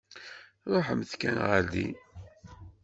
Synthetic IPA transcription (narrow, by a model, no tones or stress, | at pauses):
ɾˤoħəmθkænʁəɾd̪ḭ